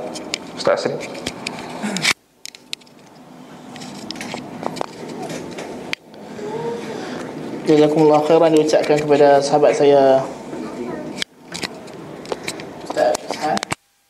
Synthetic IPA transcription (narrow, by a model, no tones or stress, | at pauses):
st̪a̰ʔsən | d͡ʒazakumulːɑhxeɾandiut͡ʃaʔ̚kankəpadasəɦabat̪̚saja